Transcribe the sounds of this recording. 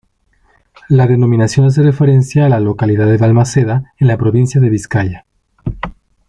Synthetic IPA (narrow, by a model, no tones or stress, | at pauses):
laðe̞no̞mĩnasjo̞nas̬erefe̞ɾe̞nsjaːlalo̞kaliðaðeðalmaseðaenlapɾo̞βinsjaðe̞βiskaʝa